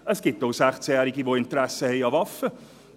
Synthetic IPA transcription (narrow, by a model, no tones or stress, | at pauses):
əsɡ̥ɪptoʊsæχt͡sjæːɾiɡivoɪntəɾæsəhɛɪɑvɑfə